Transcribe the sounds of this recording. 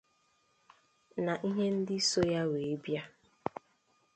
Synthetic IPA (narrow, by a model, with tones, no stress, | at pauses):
na˨ʔi˦ɦe˦n̩˦dɪ˦so˦ja˦we˨e˦bja˦